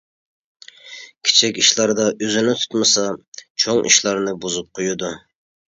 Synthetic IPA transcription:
kʲʰe̥t͡ʃʰɛkʲiʃlˠɑɾd̪ɑʔøzɪnɪt̪ʰu̥t̪mɨsɑt͡ʃʰoŋʔḭʃlˠɑɾnɨbuzup̚qʰojud̪u

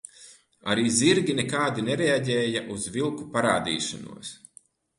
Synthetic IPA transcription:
a̰ɾiːziɾɡʲinekaːd̪ineɾeaɟɛːjaʔuzvilˠkupaɾaːd̪ḭːʃa̰nṵɔs

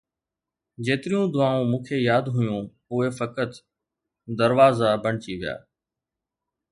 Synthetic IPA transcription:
d͡ʑeːt̪ɪɾijũd̪ʊʋaːũmũːkʰeːjaːd̪ɦʊjũː | ʊɦefəkət̪ | d̪əɾʋaːzabəɳ̤̃ɪt͡ɕiʋɪja̰ː

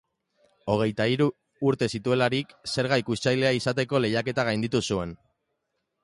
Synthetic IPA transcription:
o̞ɣ̞e̞jt̪aiɾuː | ɾt̪e̞sit̪ue̞laɾikse̞ɾɣajkust͡ʃajle̞aisat̪e̞ko̞le̞jake̞t̪aɣ̞ajnd̪it̪usue̞n

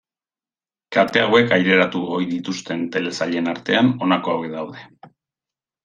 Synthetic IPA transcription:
kat̪e̞awe̞kajɾe̞ɾat̪uɣojðit̪ust̪e̞nt̪e̞le̞saʎe̞naɾt̪e̞ano̞nako̞aweðawð̞e̞

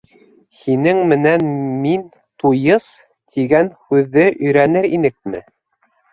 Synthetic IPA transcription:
hinɘŋmɘ̆nænmin | t̪ujɤs | t̪ʰiɡænhʉðːɘʔɵ̆jɾænɘɾinɘk̚mɘ̰

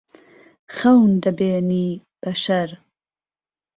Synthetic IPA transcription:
xɐwnd̪ɐbeːniː | b̥ɐʃɐɾ

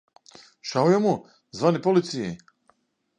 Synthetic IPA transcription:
ʃaujɔmu | zvanipɔlit̪sʰiji

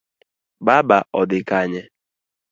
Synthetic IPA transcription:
babaʔɔdɪkaɲɪ

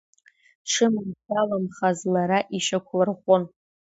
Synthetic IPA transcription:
ʈ͡ʂʰɨmɨnsalamχazlaɾaʔiʃakʷʰlarχʷʊn

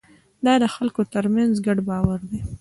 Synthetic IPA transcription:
d̪ɑd̪əxalkot̪əɾmanzɡaɖbɑwaɾd̪e

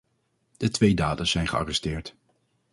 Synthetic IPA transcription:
d̥ətʋejdaːdənz̥ɛjnχəɑ̰rɛstɪːɹt

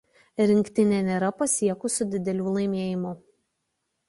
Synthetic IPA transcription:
ɾʲɪŋʲkʲt̪ʲɪnʲeːnʲeɾɐpɐsʲiɛkʊsʊd̪ʲɪd̪ʲɛlʲuːlˠɐɪmʲeɛːjɪmʊ

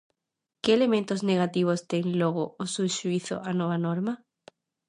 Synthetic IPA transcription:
keːle̞mẽnt̪o̞zne̞ɣ̞at̪iβ̞o̞st̪eŋloɣ̞oosuʃuiθo̰ʔanoβ̞anoɾma

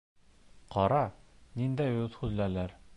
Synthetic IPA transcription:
qɒɾɑnind̪æjt̪χʉzlælæɾ

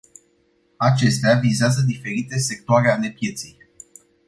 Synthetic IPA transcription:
at͡ʃe̞st̪eavizeazəd̪ife̞ɾit̪e̞se̞k̚t̪oaɾeale̞pje̞t̪sij

